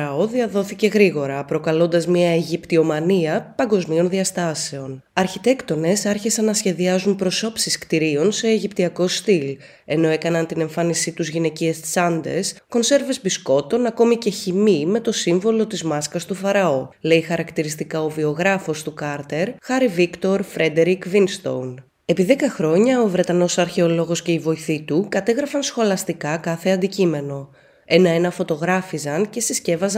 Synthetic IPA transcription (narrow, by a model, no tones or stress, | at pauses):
ɾɐo̞ðiɐðo̞θice̞ɣɾiɣo̞ɾɐpɾo̞kɐlo̞nd̪ɐzmɲiɐeʝipt̪io̞mɐniɐpɐŋɡo̞zmio̞nðiɐst̪ɐse̞o̞nɐɾçit̪e̞kt̪o̞ne̞sɐɾçisɐnːɐsçe̞ðiɐzunpɾo̞so̞psiskt̪iɾio̞nse̞ːʝipt̪iɐko̞st̪il | e̞no̞e̞kɐnɐnt̪ine̞ɱfɐnisit̪uzʝine̞ciest͡sɐnd̪e̞̰sko̞nse̞ɾve̞zbisko̞t̪o̞nɐko̞mice̞çimime̞t̪o̞siɱvo̞lo̞t̪izmɐskɐst̪ufɐɾɐo̞le̞ixɐɾɐkt̪iɾist̪ikɐo̞vio̞ɣɾɐfo̞st̪ukɐɾt̪e̞ɾxɐɾivikt̪o̞ɾfɾe̞d̪e̞ɾikvinst̪o̰wn | e̞piðe̞kɐxɾo̞ɲɐovɾe̞t̪ɐno̞sɐɾçe̞olo̞ɣo̞sce̞ivo̞iθit̪ukɐt̪e̞ɣɾɐfɐnsxo̞lɐst̪ikɐkɐθe̞ɐnd̪icime̞no̞ | e̞nɐenɐfo̞t̪o̞ɣɾɐfizɐnce̞sisce̞vɐz